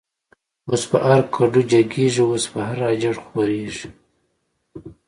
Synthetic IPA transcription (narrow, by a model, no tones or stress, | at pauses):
wospə̰ʔaɾkʰaɖud͡ʒaɡeʐiwospəɦaɾɑd͡ʒaɽxwoɾeʒi